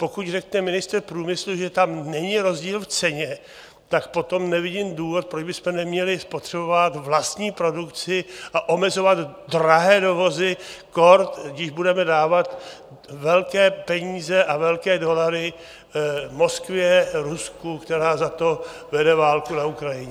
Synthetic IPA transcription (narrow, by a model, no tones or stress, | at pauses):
po̞kucrɛknɛmɪnɪst̪r̩pɾuːmɪsluʒɛt̪amnɛɲɪɾo̞zɟiːlft͡sɛɲɛ | t̪akpo̞t̪o̞mnɛvɪɟɪmduːvo̞t̪̚pɾod͡ʒbɪsmɛnɛmɲɛlɪspo̞t̪r̥ɛbovat̪vlast̪ɲiːpɾo̞dukt͡sɪʔaʔo̞mɛzo̞vat̪dɾaɦɛːdo̞vo̞zɪko̞ɾt̪ɡdɪʒbudɛmɛdaːvat̪ | vɛlkɛːpɛɲiːzɛʔavɛlkɛːdo̞laɾɪ | mo̞skvɪɛɾuskukt̪ɛɾaːzat̪o̞vɛdɛvaːlkunaukɾajɪɲɛ